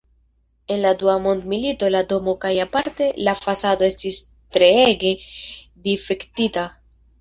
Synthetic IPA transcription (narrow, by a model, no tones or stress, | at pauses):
e̞nladuamo̞nd̪milito̞lado̞mo̞kajapaɾte̞lafasad̪o̞e̞stis | t̪ɾe̞eɡe̞d̪ife̞kt̪ita